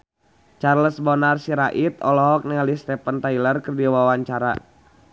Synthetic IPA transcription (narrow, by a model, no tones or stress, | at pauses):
t͡ʃarləsbɔnarsiɾaʔit̪ɔlɔɦɔk̚niŋalist̪ɛpənt̪ailərkərdiwawaɲt͡ʃaɾa̰